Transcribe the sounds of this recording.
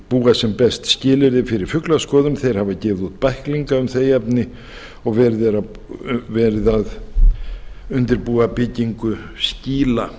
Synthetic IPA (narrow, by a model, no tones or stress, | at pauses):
puːɣasɛmpɛst̪scɪːlɪɾðɪfɪɾɪɾ̥fʏklaskɔːðʏmθejɾ̥havacɪːvɪðut̪̚pahkliŋkaʏmθejɛpnɪ | ɔɣvɛːɾɪðɛɾa | vɛːɾɪðað | ʏnt̪ɪɾpuːɣapɪciŋkʏsciːla